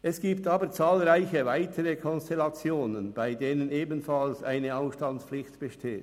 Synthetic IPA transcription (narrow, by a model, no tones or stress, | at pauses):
ʔɛsɡ̥iːptaːbət͡saːlʁaɪçəvaɪtʰəʁəkʰɔnstɛlɑt͡sjoːnənb̥aɪdeːnəneːbn̩fɑlsʔaɪnəaʊfʃtɑnspflɪçtb̥əʃtʰeːt